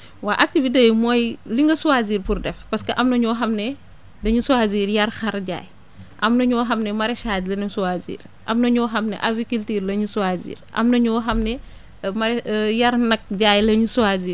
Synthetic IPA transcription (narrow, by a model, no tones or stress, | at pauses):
waːʔɐk̚tivitejmɔːjliŋɡɐsuwaziːrpurdɛfpɐskɐʔɐmnɐɲɔːɦɐmnɛ | dɐɲusuaziːɾjɐrxɐɾɟa̰ːj | ʔɐmnɐɲɔːɦɐmnɛmɐɾɛʃaːzlinɐsuwaːzḭːɾ | ʔɐ̰mnɐɲɔːɦɐmnɛ̰ʔɐvikiltiːɾlɐɲusuwaːzḭːɾʔɐ̰mnɐɲɔːɦɐmnɛ | mɐɾɛjɐrnɐk̚ɟaːjlɐɲusuaziːɾ